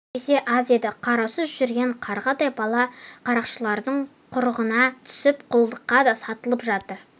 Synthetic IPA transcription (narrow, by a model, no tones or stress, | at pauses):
ese̞ʔazied̪ɪqʰɑɾɑwsəzʒʏɾɡʲe̞ɴqʰɑɾʁɑd̪ɑjbɑlˠɑqʰɑɾɑqʃəlˠɑɾd̪əɴ | qʰʊɾəʁənɑt̪ʰʏ̥sɪpqʰʊlˠd̪əqːɑd̪ɑsɑt̪əlˠəpʒɑt̪əɾ